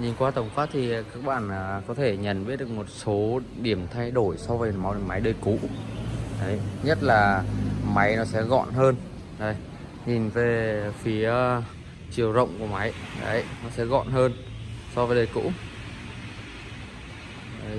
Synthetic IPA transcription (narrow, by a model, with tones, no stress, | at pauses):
ɲi˨˩nkwaː˧t̪ə˧˩wŋ͡mkwaː˦˥t̚t̪ʰi˨˩˨kaː˦˥k̚ɓa̰ː˧˨nʔəː˨˩kɔ˨˦t̪ʰe˧˩ɲə̰˧˨nɓi˦˥t̚ɗɨ˨˩k̚mo˨˩t̚so˨˦ | ɗi˧˩əmt̪ʰa˧jɗo˧˩jsɔ˧vəː˨˦ma˨˦wɗə˧˩ma˨˦jɗəː˧˩jkṵ˧˥ | ʔə˨˦jɲə˦˥t̚laː˨˩ma˨˦jnɔ˨˦sɛ̰˧˥ɣɔ̰˧˨nɦəː˧n | ɗə˨˦j | ɲi˨˩nve˨˩fi˨˦ə | t͡ɕi˨˩əwzə̰˧˨wŋ͡mku˧˩ma˨˦jʔə̰˨˦jnɔ˨˦sɛ̰˧˥ɣɔ̰˧˨nɦəː˧n | sɔ˧vəː˨˦ɗəː˧˩jkṵ˧˥ | ə˨˦j